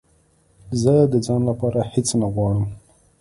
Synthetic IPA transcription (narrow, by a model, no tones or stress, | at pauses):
zəd̪əd͡zɑnlapɑɾahɪt͡snaɣwɑɽəm